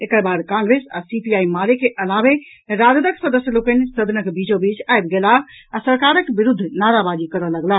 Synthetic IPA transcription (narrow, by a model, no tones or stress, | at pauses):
ekəɾbaːd̪kãŋɡɾesa̰sipiaːimalekeʔəlaʋe | ɾad̪d̪əksəd̪əsjəlokənsəd̪ʱnəkbid͡ʒobid͡ʒaebɡelaː | səɾkaɾəkbiɾud̪ʱːnaɾabad͡ʒikəɾələɡla